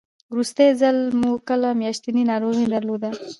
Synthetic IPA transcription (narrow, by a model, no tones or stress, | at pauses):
wɾust̪ezalmukəlamjɑʃt̪ininɑɾoɣid̪aɾlod̪a